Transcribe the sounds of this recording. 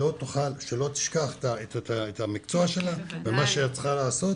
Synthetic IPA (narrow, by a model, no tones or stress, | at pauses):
o̞t̪uχalʃelo̞t̪i̥ʃkaχe̥t̪aettaet̪amikt͡so̞aʃe̞lavemaʃeat͡sχalaːso̞t